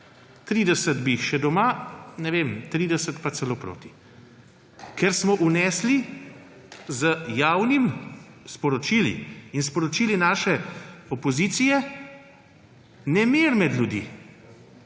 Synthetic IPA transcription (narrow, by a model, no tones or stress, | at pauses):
t̪ɾiːd̪ɛsəd̪biːxʃɛd̪ɔmanɛʋemt̪ɾiːd̪ɛsət̪pasɛloːpɾo̰ːt̪i̥ | kɛɾsmɔʔunɛːsli | zəjawnimspɔɾɔt͡ʃiːlḭinspɔɾɔt͡ʃiːlinaːʃɛɔpɔzit̪sijɛ | nɛmeɾmɛd̪lʲjud̪ḭː